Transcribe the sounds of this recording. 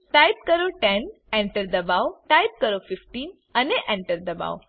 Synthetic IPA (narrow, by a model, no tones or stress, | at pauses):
ʈajp̚kəɾoʈɛn | eɳʈəɾd̪əbawʈajp̚kəɾofifʈiːn | aneʔẽɳʈəɾd̪əba̰w